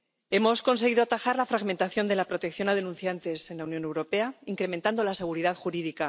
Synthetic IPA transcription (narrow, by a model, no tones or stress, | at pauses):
e̞mo̞sko̞nse̞ɣ̞iðoat̪axaɾlafɾaɣme̞nt̪aθjo̞nd̪e̞lapɾo̞t̪e̞kθjo̞naðe̞nũnθjant̪e̞se̞nlaunjo̞ne̞wɾo̞pe̞aiŋkɾe̞ment̪and̪o̞lase̞ɣ̞uɾiðaðxuɾiðika